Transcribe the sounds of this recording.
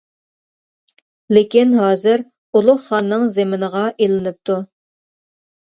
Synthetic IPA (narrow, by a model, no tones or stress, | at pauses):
lekʲinɦɑːzɪɾ | ulˠʊχχɑnːɨŋzemɪnəʁɑʔelɪnɪp̚t̪ʰu